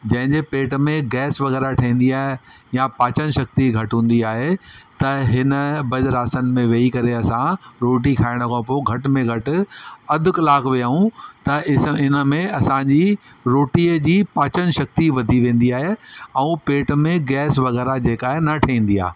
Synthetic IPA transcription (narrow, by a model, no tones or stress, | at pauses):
d͡ʑɐ̃ɦɪ̃ɲd͡ʑepeːʈmẽɡɛːsʋɐɣɛːɾaʈʰɐĩːnd̪iaːɦejapaːt͡ɕənʃɐk̚t̪iɡʱɐʈɦũːn̆d̪iaːɦet̪ɐɦɪnə̆bɐd͡ʑɾaːsənɪ̆mẽʋeːikɐɾeɐsãɾoːʈ̬ikʰaːɪɽ̃ʊkʰãpoɡʱɐʈmẽɡʱɐʈɪ̆ɐd̪ʱʊ̆kɐlaːkʋijaːɦũt̪ɐɪɪnə̆mẽɐsãɲd͡ʑi | ɾoːʈiːəd͡ʑiːpaːt͡ɕən̆ʃɐk̚t̪iʋɐd̪ʱiʋẽːn̆d̪iaːɦeɛ̃ũpeːʈmẽɡɛːsʋɐɣɛːɾad͡ʑeːkaːɦenɐʈʰɐĩːn̆d̪ia̰ːɦe